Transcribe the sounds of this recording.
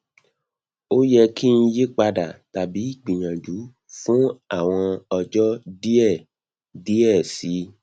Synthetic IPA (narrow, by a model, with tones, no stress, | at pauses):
o˦jɛ˧kʰi˦n̩˦˧je˦k͡pa˧da˨ta˨bi˨˦i˦˨ɡ͡bĩ˨ɲã˨d͡ʒu˨˦ | fũ˦a˦˨w̃ɔ̃˧ɔ˧d͡ʒɔ˦di˦ɛ˦˨ | di˦ɛ˦˨si˨˦